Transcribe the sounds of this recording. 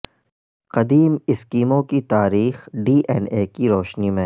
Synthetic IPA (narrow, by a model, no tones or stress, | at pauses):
qɐd̪iːmɪskiːmõkit̪aːɾiːxɖiːʔɛːneːkiɾoːʃnimẽ